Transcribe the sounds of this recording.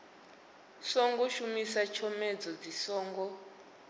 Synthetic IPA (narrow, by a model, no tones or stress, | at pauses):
sɔŋɡɔʃumisat͡ʃʰɔmɛd͡zɔd͡zisɔːŋɡɔ